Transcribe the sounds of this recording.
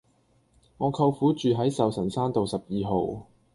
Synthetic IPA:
ŋɔː˨˧kʰɐ˧wfuː˨˥t͡ʃyː˨ɦɐ˨˥jsɐ˨wsɐ˨˩nsaː˥nt̪o˨wsɐ˨p̚jiː˨ɦo˨˧w

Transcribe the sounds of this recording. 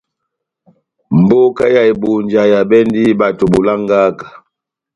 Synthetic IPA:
m̩˨bo˦ka˦ja˨jbu˨nd͡ʒa˨ja˨bɛ˦ndi˦ba˨to˨bu˨la˦ŋ˦ɡa˦kḁ˨

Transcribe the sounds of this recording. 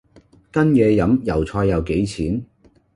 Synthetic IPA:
kɐ˥njɛː˨˧jɐ˨˥mjɐ˨˩wt͡sʰɔː˧jːɐ˨˧wke˨˥jt͡sʰiː˨˥n

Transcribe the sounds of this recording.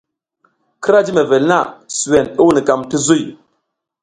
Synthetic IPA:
ki˦ɾa˦d͡ʒi˦me˨ve˨lna̰˦˨su˨we˨nu˦wni˨ka˨mti˦zu˦˨j

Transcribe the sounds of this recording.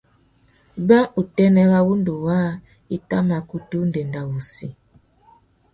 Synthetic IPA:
ba˦ʔu˨tɛ˦nɛ˦ɣa˦wu˦ndu˨waː˦ | i˦ta˦ma˨ku˦tu˦nde˨nda˨wu˨si˨

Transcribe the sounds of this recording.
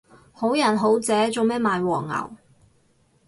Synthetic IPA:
ho˨˥wjɐ˨˩nɦo˨˥wt͡sɛː˨˥t͡so˨wmɛː˥maː˨˧jwɔː˨˩ŋːɐ̰˨˩w

